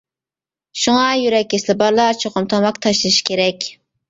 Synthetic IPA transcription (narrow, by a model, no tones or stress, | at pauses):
ʃuŋɑjyɾɛk̚ʲːeslɪbɑɾlˠɑt͡ʃʰoqʊmt̪ʰɑmɑkt̪ʰɑʃlˠɨʃi̥kʲʰeɾɛkʲ